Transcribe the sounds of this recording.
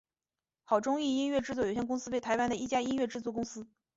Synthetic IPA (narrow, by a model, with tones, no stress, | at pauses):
xɑ˨˩ʊʈ͡ʂʊ˥ŋi˥˧i˥nɥɛ˥˧ʈ͡ʂɻ̩˥˧t͡swɔ˥˩jo˨˩ɕjnkʊ˥ŋsɹ̩˥we˥˩ɪt̪ʰa˧˥ɪwa˥nd̪ə˨i˥˩t͡ɕja˥i˥nɥɛ˥˧ʈ͡ʂɻ̩˥˧t͡swɔ˥˩kʊ˥ŋsɹ̩˥